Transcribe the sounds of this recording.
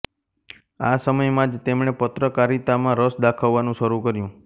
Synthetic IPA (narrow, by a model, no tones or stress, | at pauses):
asəməjmãd͡ʒt̪emɳ̃epət̪ɾəkaɾit̪amãɾəsd̪akʰaʋːanũʃəɾukəɾjũ